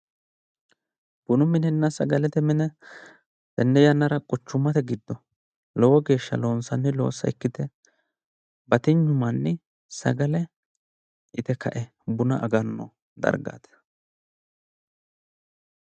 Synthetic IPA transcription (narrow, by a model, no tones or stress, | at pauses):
b̥ʊnʊmɪnɛnːɐsɐɡɐlɛt̪ɛmɛnɛ | d̪̥ɛnːɛjɐnːɐɾɐkʼʊt͡ʃːʊmːɐt̪ɛɡɪd̪ːɔ | lɔwɔɡe̞ːʃːɐ̰lo̞ːnsɐnːɛlo̞̰ːsːɐ̰ɪkːɪt̪ɛ | bɐt̪ɪɲːʊmɐnːɛ | sɐ̰ɡɐlɛ | ɪt̪ɛkʰɐʔɛ | bʊnɐʔɐɡɐnːɔ̰ | d̪ɐ̰ɾɡa̰ːt̪